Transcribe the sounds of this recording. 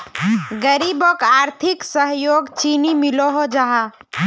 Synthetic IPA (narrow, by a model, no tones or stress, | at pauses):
ɡəɾibɔkaːɾt̪ʰiksəɦjoɡt͡ʃinimiloɦod͡ʒaɦa